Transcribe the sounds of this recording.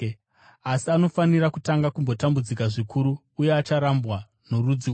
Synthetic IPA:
asiano̞faniɾakutaŋɡakumbo̞tambud͡zikaʐikʰuɾuːje̞at͡ʃaɾambɣa | norud͡zi

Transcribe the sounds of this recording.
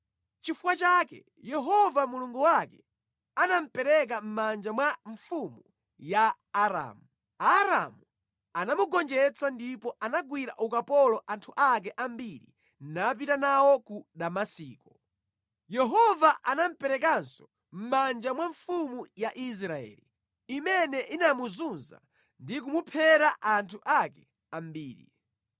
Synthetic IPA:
t͡ʃifuwat͡ʃakɛ̰ | jɛɦɔvamuluŋɡuwakɛ | anam̩pɛɾɛk̬am̩mand͡ʒamwaɱfumu | jaː | ɾa̰ːmu | aɾa̰mu | anamuɡɔnd͡ʒɛt͡sandipɔʔanaɡwiɾa̰ʔukapɔlɔʔantʰuʔak̬ɛʔambiɾḭ | nap̬itanawɔkudamasiːkɔ | jɛɦɔvaʔanam̩pɛɾɛk̬ansɔ̥ | m̩mand͡ʒamwaɱfumujaʔis̬ɾaɛ̰ːli | imɛnɛʔinamuzunza̰ | ndik̬umupʰɛɾaʔantʰuʔakɛ̥ | ambiːɾḭ

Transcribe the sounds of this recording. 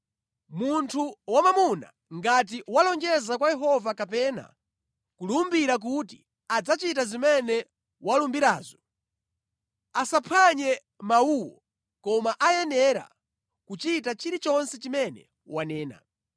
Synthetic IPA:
muntʰuwamamuna̰ | ŋɡat̬iwalɔŋd͡ʒɛzakwajɛɦɔvakapɛna̰ | kulumbiɾak̬uti | ad͡zat͡ʃit̬azimɛnɛ | walumbiɾaːzɔ | asapʰaɲɛ | mauwɔ | kɔmaʔajɛnɛɾa̰ | kut͡ʃit̬at͡ʃiɾit͡ʃɔnsɛt͡ʃimɛnɛ̰ | wanɛːna̰

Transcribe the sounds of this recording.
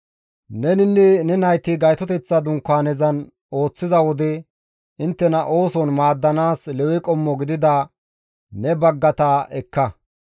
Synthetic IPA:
nɛnɪnːɪnɛnɐjt̪ɪɡɐjt̪ɔt̪ɛt͡sːɐd̪ʊŋkːaːnɛzɐn | o̞ːt͡sːɪzɐwɔd̪ɛ | ɪnt̪ːɛnɐʔo̞ːsɔnmaːd̪ːɐnaːslɛwɪkʼɔmːɔɡɪd̪ɪd̪ɐ | nɛbɐɡːɐt̪ɐʔɛkːɐ

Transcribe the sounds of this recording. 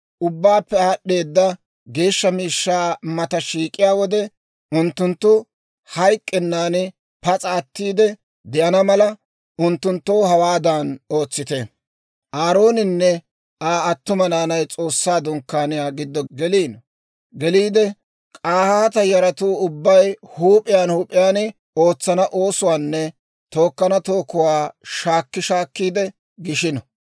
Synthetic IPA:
ʔʊbːaːpːɛaɗe̞ːd̪ːɐ | ɡe̞ːʃːɐmiːʃːaːmɐt̪ɐʃiːkʼːɪjaːwɔd̪ɛ | ʊnt̪ːʊnt̪ːʊ | hɐjkʼːɛnːaːnɪ | pɐt͡sʼɐːt̪ːiːd̪ɛ | d̪ɛʔɐnɐmɐlɐ | ʔʊnt̪ːʊnt̪ːoːhɐwaːd̪aːno̞ːt͡sːɪt̪ɛ | ʔaːɾo̞ːnɪnːɛ | aːɐt̪ːʊmɐnaːnɐjt͡sʼo̞ːsːaːd̪ʊŋkːaːnɪjaːɡɪd̪ːɔɡɛliːn | ɡɛliːd̪ɛ | kʼaːhaːt̪ɐjɐɾɐt̪uːʊbːɐjhuːpʼːɪjaːnhuːpʼːɪjaːnɪ | o̞ːt͡sːɐnɐʔo̞ːsʊwaːnːɛ | t̪o̞ːkːɐnɐt̪o̞ːkːʊwaːʃaːkːɪʃaːkːiːd̪ɛ | ɡɪʃɪnɔ

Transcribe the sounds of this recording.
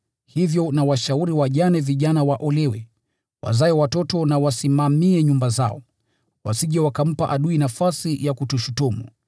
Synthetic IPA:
hivjɔnawaʃauɾiwaʄanɛviʄanawaʔɔlɛwɛ | wa̰zaɛwatɔtɔnawasimamiɛɲumbaza̰ɔ̰ | wa̰siʄawakam̩paʔaɗuinafasijakutuʃutumṵ

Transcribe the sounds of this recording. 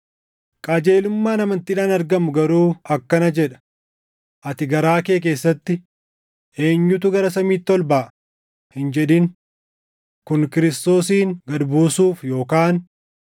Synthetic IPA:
kʼad͡ʒe̞ːlʊmːaːnɐmɐnt̪iːᶑaːnɐɾɡɐmʊɡɐɾuːɐkːɐnɐd͡ʒɛᶑɐ̥ | ʔɐt̪ɪɡɐɾaːke̞ːk̬e̞ːsːɐt̪ːɪ | e̞ːɲːʊt̪̬ʊɡɐɾɐsɐmiːt̪ːɔlbɐ | hɪnd͡ʒɛᶑɪn | kʊnkɪɾɪst̪o̞ːsiːŋɡɐd̪buːsuːfjo̞ːkaːn

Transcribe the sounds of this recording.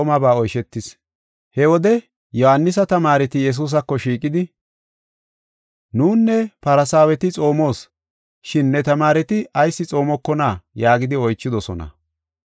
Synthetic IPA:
mɐbaːɔjʃɛt̪ːɪs | hɛwɔd̪ɛ | jɔhɐnːɪs̬ɐt̪ɐmaːɾɛt̪ɪjɛs̬uːs̬ɐkːɔʃiːkʼɪd̪ɪ | nuːnːɛpɐɾɐsaːwɛt̪ɪt͡sʼo̞ːmo̞ːs | ʃɪnːɛt̪ɐmaːɾɛt̪ɪʔɐjsːɪt͡sʼo̞ːmɔkːɔnaːjaːɡɪd̪ɪɔjt͡ʃːɪd̪ɔsɔnɐ̰

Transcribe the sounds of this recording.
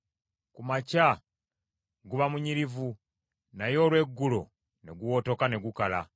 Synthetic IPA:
kumaca | ɡuβamuɲiɾivu | najo̞ːlwe̞ɡːulo̞ | ne̞ɡuwo̞to̞kane̞ɡukala̰

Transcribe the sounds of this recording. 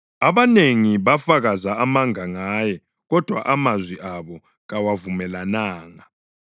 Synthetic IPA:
aβaneŋiβafaɣazaamaŋaŋaːjɛ | ɣɔd̥ʱwa̰ʔamazwiʔaβɔ | ɣawavumɛlanaːŋa

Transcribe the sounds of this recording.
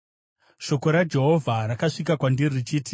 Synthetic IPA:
ʃo̞ko̞ɾad͡ʒe̞ɦo̞vʱaɾakaʂikakwandirrit͡ʃiːti

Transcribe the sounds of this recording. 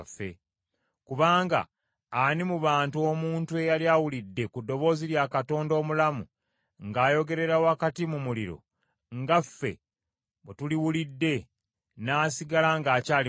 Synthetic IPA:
fːe̞̰ | kuβaːŋɡa̰ː | nimuβaːntuo̞muːntue̞jaljawulidːe̞kudːo̞βo̞ːziɾjakato̞ːndo̞ːmulamu | ŋɡaːjo̞ɡe̞ɾe̞ɾawakatimumuliɾo̞̰ | ŋɡafːe̞̰ | βetuliwulidːe̞ | naːsiɡalaŋɡaːcaːli

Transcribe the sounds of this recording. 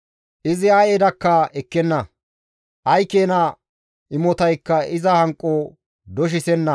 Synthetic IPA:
ʔɪzɪaːjeːd̪ɐkːɐɛkːɛnːɐ | ʔɐjkeːnɐ | ʔɪmɔt̪ɐjkːɐɪzɐhɐŋkʼːo | d̪ɔʃ̬ɪsɛnːɐ

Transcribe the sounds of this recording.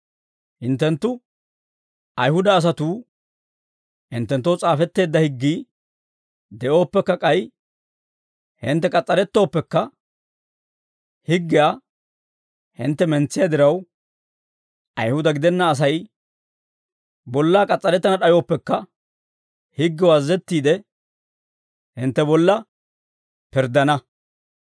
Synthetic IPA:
hɪnt̪ːɛnt̪ːʊ | ɐjhʊd̪ɐːs̬ɐt̪uː | hɪnt̪ːɛnt̪ːowt͡sʼaːfɛt̪ːe̞ːd̪ːɐhɪɡːiː | d̪ɛʔo̞ːpːɛkːɐkʼɐj | hɪ̰nt̪ːɛkʼɐt͡sʼːɐɾɛt̪ːo̞ːpːɛkːɐ | hɪɡːɪja | hɪ̰nt̪ːɛmɛnt͡sːɪjad̪ɪɾɐw | ʔɐjhʊd̪ɐɡɪd̪ɛnːɐːs̬ɐj | bɔlːaːkʼɐt͡sʼːɐɾɛt̪ːɐnɐɗɐjo̞ːpːɛkːɐ | hɪɡːɪwɐzːɛt̪ːiːd̪ɛ | hɪnt̪ːɛbɔlːɐ | pɪɾd̪ɐnɐ

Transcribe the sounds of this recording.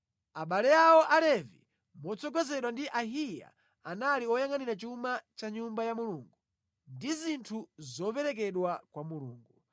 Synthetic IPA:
aɓalɛjawɔʔalɛvḭ | mɔt͡sɔɡɛzɛɗwandiʔaɦija̰ | analiɔjaŋaniɾat͡ʃumat͡ʃaɲumbajamuluːŋɡu | ndizintʰuzɔpɛɾɛk̬ɛɗwakwamulṵːŋɡu

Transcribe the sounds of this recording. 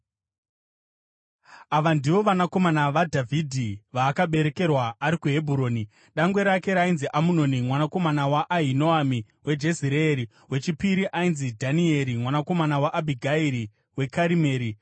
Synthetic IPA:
aʋandiʋo̞ʋanako̞manaʋadʱavʱidʱiʋaːkaɓe̞ɾe̞ke̞rwaːɾikuɦe̞bʱuɾo̞ːni | ɗaŋɡwe̞ɾake̞ɾainziʔamuno̞nimwanako̞manawaʔːɦinoami | we̞d͡ʒe̞ziɾeːɾi | we̞t͡ʃipiɾiʔainzidʱanie̞ɾimwanako̞manawaʔabʱiɡʱaiɾi | we̞kaɾime̞ːɾi

